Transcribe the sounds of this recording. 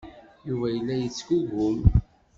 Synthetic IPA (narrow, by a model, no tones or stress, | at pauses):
juvæjəlːæjət͡sːɡuɣʊm